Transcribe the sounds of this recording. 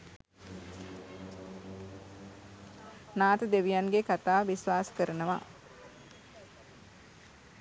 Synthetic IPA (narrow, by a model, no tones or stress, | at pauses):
naːt̪əd̪eʋijanɡekat̪aːʋisʋaːsə̥kəɾənəʋa̰